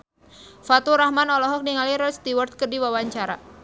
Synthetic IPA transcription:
fat̪uɾahmanɔlɔɦɔk̚niŋaliɾɔst̪iwart̪̚kərdiwawaɲt͡ʃaɾa̰

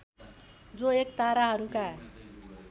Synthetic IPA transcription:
d͡zoek̚t̪aɾaɦʌɾuka

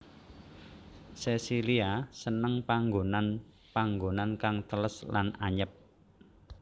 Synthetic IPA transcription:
sesiliasənəŋpaŋɡonan | paŋɡonankaŋt̪ələslanaɲəp̚

